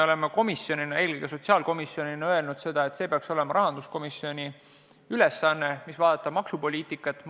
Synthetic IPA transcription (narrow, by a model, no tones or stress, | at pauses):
o̞le̞meko̞misjo̞ninɑeːliɡ̥eso̞t̪ʲsiɑːlko̞misjo̞ninɑøelnud̪̥se̞d̪̥ɑe̞t̪se̞peɑkso̞le̞mɑɾɑɦɑnd̪̥usko̞misːio̞nʲi | yle̞sːɑnːemisvɑːd̪ɑt̪ːˑɑb̥mɑksupo̞lʲiːt̪ˑikːˑɑt̪ːˑ